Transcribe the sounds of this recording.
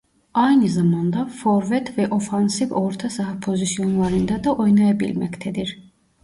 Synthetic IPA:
ɑjnɯzɑmɑnd̪ɑfoɾvɛt̪vɛʔo̞fɑnsivo̞ɾt̪ʰasɑɦpʰo̞zisjo̞nlˠɑɾɯnd̪ɑd̪ɑʔo̞jnajɑbḭlmæ̰ct̪ʰɛd̪iɾ

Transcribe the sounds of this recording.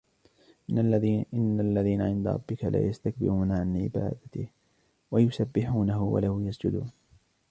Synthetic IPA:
ɪnːalːaðiːnaʕɪnd̪a̰ɾˤɑ̰bːɪkalʔa̰ːjast̪ak̚bɪ̰ɾuːnaʕanʕɪ̰ba̰ːd̪at̪ɪh | wajʊsabːɪħuːnaɦʊwa̰lahʊjasd͡ʒʊd̪ṵːn

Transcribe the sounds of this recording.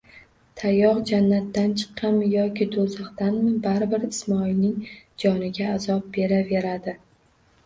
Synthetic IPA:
t̪ʰajɒqd͡ʒanːat̪ːant͡ʃʰɨ̥qʰːɑmjɒkʲɪd̪ozɑqt̪anmɪbaɾɪbɪɾɪsmɒilnɪŋd͡ʒɒnɪɡʲaːzɒp̚be̞ɾave̞ɾad̪ɪ

